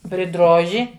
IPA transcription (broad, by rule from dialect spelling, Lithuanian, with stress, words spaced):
pʲrʲɪˈdroːʒʲɪ